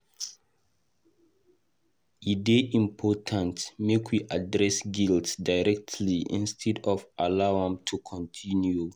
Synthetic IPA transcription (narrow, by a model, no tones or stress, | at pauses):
ideʔĩmpʰɔtʰãntmekʰwiʔadɹɛsɡiltsdaɪɹɛk̚tʰliʔḭ̃nstʰɛdɔvʔalaʊãmtʰukʰɔ̃ntʰĩnju